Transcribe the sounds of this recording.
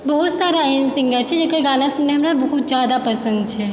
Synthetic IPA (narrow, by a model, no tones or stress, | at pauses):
bɐɦʊt̪saːɾaɪnsɪ̃ŋɡəɾt͡ʃʰɛd͡ʒɐkəɾɡaːnasʊnːeɦɐmɾabɐɦʊt̪zjaːd̪apɐsə̃nd̪̚t͡ʃʰɛ